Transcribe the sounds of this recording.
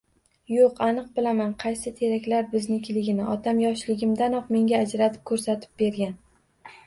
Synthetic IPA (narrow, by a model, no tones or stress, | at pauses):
joqanɨq̚bɪlamanqʰɑjsɪt̪ʰe̞ɾakʲlaɾbɪznɪkʲʰɪlɪɡʲɪnɪʔɒt̪ʰamjɒʃlɪɡʲɪmd̪anɒqme̞ŋɡʲaːd͡ʒɾat̪ʰɪ̥p̚kʰɵɾsat̪ʰɪ̥p̚be̞ɾɡʲan